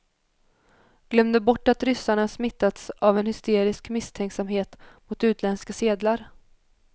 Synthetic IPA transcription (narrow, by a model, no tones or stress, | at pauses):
ɡ̥lœmd̪əbɔʈːat̪ɾʏsːaɳasmɪt̪ːat̪savɛnhʏst̪eːɾɪskmɪst̪ʰɛŋksamɦeːt̪mʊt̪ʉ̟ːt̪ʰlɛnskaseːd̪laɾ